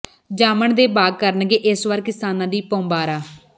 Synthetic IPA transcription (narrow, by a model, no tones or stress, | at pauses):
d͡ʒaːməɳd̪eːbaːɡ̚kəɾənɡeːʔɪsʋəɾkɪsaːnãːd̪iːpõːmbaːɾaː